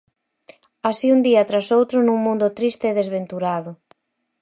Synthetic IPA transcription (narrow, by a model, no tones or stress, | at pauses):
asiund̪iat̪ɾasowt̪ɾʊnũŋmũnd̪ʊt̪ɾist̪eːðezβent̪uɾaðʊ